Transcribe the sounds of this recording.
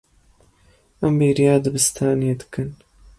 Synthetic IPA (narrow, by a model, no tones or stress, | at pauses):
ʔɐmbiːɾijaːd̪ɨbɨst̪ʰaːned̪ɨ̥kʰɨn